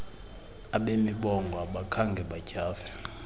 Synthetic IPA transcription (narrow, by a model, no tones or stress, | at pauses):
aɓemiɓɔŋɡʱwaɓakʰaŋɡʱɛɓacaːvɛ